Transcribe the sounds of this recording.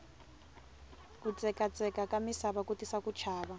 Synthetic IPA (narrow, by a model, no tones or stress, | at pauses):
kʼut͡sʼɛkʼat͡sʼɛkʼakʼamisaβakʼutʼisakʼut͡ʃʰaːβa